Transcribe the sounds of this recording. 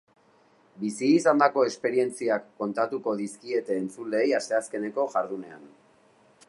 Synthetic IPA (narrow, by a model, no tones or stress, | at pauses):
bisiːsand̪ako̞e̞spe̞ɾie̞nt͡siakːo̞nt̪at̪uko̞ðiskie̞t̪eːnt͡sule̞jast̪e̞aske̞ne̞ko̞ʝaɾðune̞a̰n